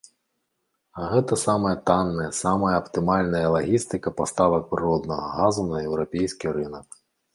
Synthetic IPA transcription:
ɐɣɛt̪ɐsamɐjɐt̪anːɐjɐsamɐjɐɐpt̪ɨmalʲnɐjɐlˠaɣʲist̪ɨkɐpast̪avɐk̚pɾɨɾɔd̪nɐɣɐ̰ɣazunɐjɛwɾapʲejsʲkʲiɾɨnɐk

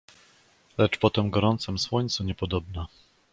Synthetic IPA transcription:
lɛt͡ʂpɔt̪ɛmɡɔɾɔnt̪sɛmswɔɲt̪sɔɲɛpɔd̪ɔbna

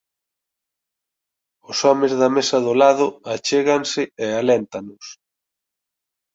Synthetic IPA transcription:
ʊsɔmɪzðɐmesɐðʊlaðʊat͡ʃeɣɐnsɪealɛnt̪anʊs

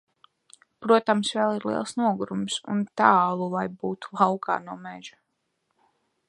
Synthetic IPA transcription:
pɾuɔt̪amsvɛlˠiɾlˠiɛlˠsnuɔɡuɾumsṵnt̪aːlˠulajbuːt̪u̥lˠɑwkʰɑ̰ːnuɔmeʒ̥ḁ

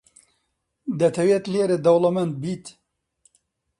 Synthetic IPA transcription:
d̪ɐt̪ʰɐwet̪leːɾɨd̪ɐwlɐmɛnt̪̚biːt̪

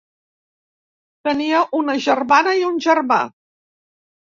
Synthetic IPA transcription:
t̪əniəʔunəʒərmanəiunʲʒərma̰

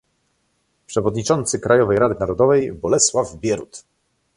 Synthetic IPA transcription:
pʂɛvɔd̪ɲit͡ʂɔnt̪sɘkɾʔajɔvɛjɾad̪ɘnaɾɔd̪ɔvɛjbɔlɛswavbʲjɛɾṵt̪

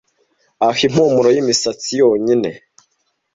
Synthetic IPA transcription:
ahim̥omuɾojimisat͡sijoːɲine̞

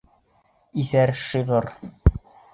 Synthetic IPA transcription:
iθæɾʃɤʁɤɾ

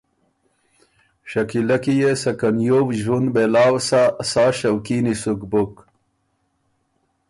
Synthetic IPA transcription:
ɕakilakijesakanjowʑunbelaːwsasaːɕawkinisukbuk

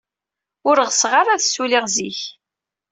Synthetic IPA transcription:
ʊɾʁəsʁaɾˤaðsuliʁziç

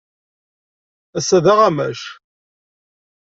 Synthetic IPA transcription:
æsːæðaʁamæʃ

